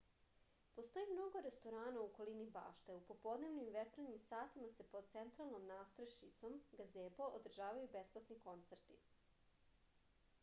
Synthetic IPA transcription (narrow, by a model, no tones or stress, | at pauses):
post̪o̞jimno̞ɡo̞ɾest̪oɾaːnauko̞liniba̰ːʃt̪eupo̞po̞d̪ne̞ʋnimʋet͡ʂɾenimsaːt̪imase̞pod̪̥̚t̪sent̪ɾalˠnomnaːst̪ɾeʃit̪so̞mɡazeːboʔod̪r̩ʒaːʋajubesplat̪niko̞nt̪seɾt̪i